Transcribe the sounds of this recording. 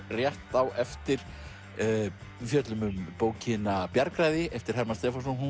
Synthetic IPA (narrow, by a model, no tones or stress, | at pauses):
rjɛht̪awʔɛft̪ɪɾ̥ | fjœt̪lʏmʏmpoːwcʰɪnapjaɾkɾaːjðɪɛft̪ɪ̥hɛɾmast̪ɛːfansɔnhu